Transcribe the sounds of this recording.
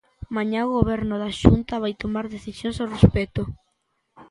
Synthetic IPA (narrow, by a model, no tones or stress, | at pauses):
maɲaoɣoβɛɾnʊðaʃunt̪aβajt̪omaɾðeθisjõŋsorespet̪o